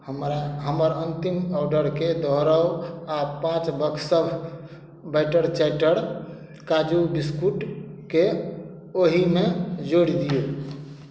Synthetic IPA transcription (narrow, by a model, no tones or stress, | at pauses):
həmɾaɦəməɾənt̪imɔɖəɾked̪ɔɦɾəwapãt͡ʃbəkʰsəbʱ | bəɪʈəɽt͡ʃɛʈəɽ | kad͡ʒubiskuʈke | oɦimed͡ʒoɽid̪ijo